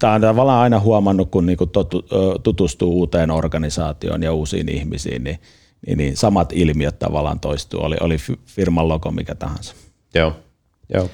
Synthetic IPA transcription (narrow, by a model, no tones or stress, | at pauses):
t̪æont̪ɑʋɑlːˑɑːnɑˑinɑhuɑmɑnːukkunniːŋkut̪ot̪ut̪ut̪ust̪uːuːt̪eːnorkɑnisɑːt̪io̰njɑuːsḭːnḭhmisḭːnni | nḭninsɑmɑt̪ilmiøt̪t̪ɑ̰ʋɑlːˑɑ̰ːnt̪oist̪ṵːo̰lḭʔo̰lififirmɑlːokomḭkæt̪ɑ̰hɑ̰nsɑ̥ | joː | jo̰ː